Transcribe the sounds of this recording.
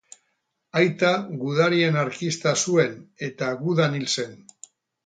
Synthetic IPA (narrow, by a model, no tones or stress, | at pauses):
ajt̪aɣuð̞aɾie̞naɾkist̪asue̞ne̞t̪aɣuðanilse̞n